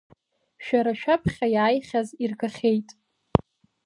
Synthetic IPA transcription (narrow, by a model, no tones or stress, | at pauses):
ʃᶣaɾaʃᶣapʰχʲajaːjχʲazirɡaχʲejtʼ